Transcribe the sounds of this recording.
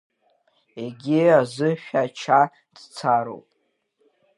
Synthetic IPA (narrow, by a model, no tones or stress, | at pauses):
eɡʲiazɨʃᶣat͡ʃʰa | d̥t͡sʰaɾo̰wpʼ